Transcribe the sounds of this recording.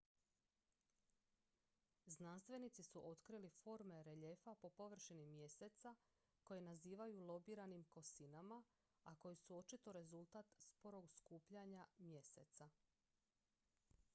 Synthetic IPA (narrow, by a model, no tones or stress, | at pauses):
znanst̪ʋe̞nit̪sisuʔo̞t̪kɾilifo̞ɾme̞ɾe̞ʎefapo̞po̞ʋr̩ʃinimje̞set̪sa | ko̞jenaziːʋajulˠo̞biɾanimko̞sinama | ako̞jisuo̞t͡ʃit̪o̞ɾe̞zulˠt̪at̪spo̞ɾo̞ɡskuːpʎaɲamje̞se̞t̪sa